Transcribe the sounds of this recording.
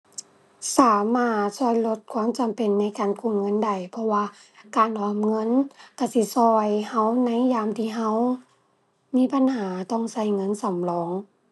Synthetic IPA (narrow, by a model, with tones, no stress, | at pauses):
saː˨˦maː˧˥˩t̪̚sɔ˧˩˨jlo˧t̪̚kʰwaː˧˥˨mt͡ɕa˨mpe˨nːa˧˥˨jkaː˨nkʰu˧˩˨nŋɤ˧˥˨nda˨˩jpʰɔ˧waː˧ | kaː˨nʔɔː˨˧mŋɤ˧˥˨nka˧˩si˧˦sɔː˧jha˧˥˨wna˧˥˨jjaː˧˨mt̪ʰiː˧˨ɦa˧˥˨w | miː˧˥˨pa˨nhaː˨˩˦t̪ɔ˧˩˨ŋsa˧˩jŋɤ˧˥˨nsa˨˦mlɔː˧˦ŋ